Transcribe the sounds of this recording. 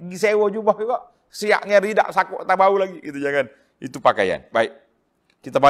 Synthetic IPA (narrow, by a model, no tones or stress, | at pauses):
ŋisewɔd͡ʒubakɔʔ | sia̰ʔɲaɾida̰ʔsakuʔt̪abaulaɡiɡit̪ud͡ʒaŋan | it̪upaka̰ja̰nbaik̚ | kit̪aba